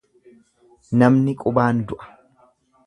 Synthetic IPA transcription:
nɐmnɪkʼʊbaːnd̪ʊʔɐ̥

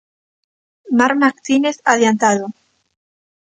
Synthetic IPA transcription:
maɾmakt̪ineθaðjant̪aðo

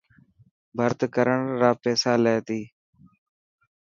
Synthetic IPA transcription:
bʱəɾt̪kəɾəɳɾaːpɛːsaːleːt̪iː

